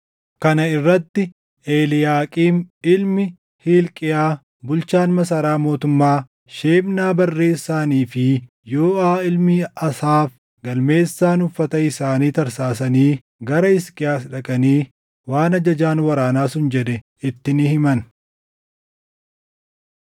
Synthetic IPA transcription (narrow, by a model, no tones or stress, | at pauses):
kɐnɐɪrːɐt̪ːɪ | ʔeːlɪjaːkʼiːnɪlmɪ | hiːlkʼɪjaː | bʊlt͡ʃaːnmɐs̬ɐɾaːmo̞ːt̪ʊmːaː | ʃeːmnaːbɐrːe̞ːsːaːniːfɪ | joːʔaːɪlmiɐsaːf | ɡɐlme̞ːsːaːnʊfːɐt̪ɐɪsaːniːt̪ɐɾsaːsɐniː | ɡɐɾɐɪskʼɪjaːsᶑɐkʼɐniː | waːnɐd͡ʒɐd͡ʒaːnwɐɾaːnaːsʊnd͡ʒɛᶑɛ | ɪt̪ːɪnɪhɪmɐn